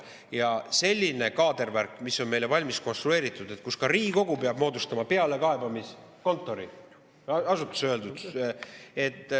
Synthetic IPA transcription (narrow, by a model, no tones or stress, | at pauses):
jɑse̞lʲːine̞kɑːd̪e̞rværkːˑmisːo̞nme̞jle̞vɑlʲmisko̞nst̪ɾue̞ːɾit̪ːˑud̪̥e̞t̪̚kuskɑɾiːɡiko̞ɡ̥upeɑb̥mo̞ːd̪ust̪ɑmɑpe̞ɑle̞kɑe̞bɑmisko̞nt̪ːˑo̞ɾi | ɑsut̪ːˑu̥søld̪ud̪̥ | e̞t̪ːˑ